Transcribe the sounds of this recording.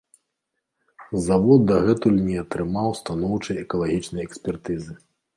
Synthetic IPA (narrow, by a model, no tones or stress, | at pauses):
zavɔd̪d̪ɐɣɛt̪ulʲnʲiɐt̪ɾɨmawst̪anɔwt͡ʂɐjɛkɐlˠaɣʲit͡ʂnɐjɛksʲpʲɛrt̪ɨzɨ